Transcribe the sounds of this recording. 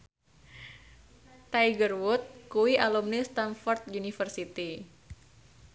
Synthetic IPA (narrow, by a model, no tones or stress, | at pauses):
t̪ajɡərwut̪̚kuwiʔalumnist̪anfɔrt̪̚junifərsit̪i